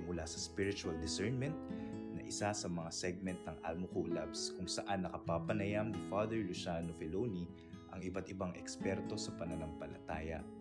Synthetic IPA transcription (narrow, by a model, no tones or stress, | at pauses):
mʊlasɐspiɹɪt͡ʃuɐld̪ɪsɛɹnmɛnt̪̚nɐʔɪsasɐmɐŋasɛɡ̚mɛnt̪̚nɐŋʔa̰lmʊkuːlabskʊŋsɐʔanːɐkɐpapɐnɐjamnɪfad̪ɛɹlusaːnofɛloni | ʔɐŋɪbat̪ɪbaŋʔɛkspɛɾt̪o̞sɐpɐnɐnɐŋpɐlɐ̰t̪aːjɐ̰ʔ